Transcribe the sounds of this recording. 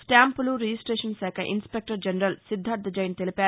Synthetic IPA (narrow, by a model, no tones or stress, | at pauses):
sʈaːmpuluɾed͡ʒisʈɾeːʂɐnsaːkʰɐʔḭnspek̚ʈɐɾd͡ʒɐnɐɾɐlsid̪ʱːaːɾd̪ɐd͡ʒɐjnit̪elipaː